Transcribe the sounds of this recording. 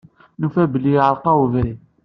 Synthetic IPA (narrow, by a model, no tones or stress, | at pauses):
nufæbəlːiʕəlqɑwəvɾi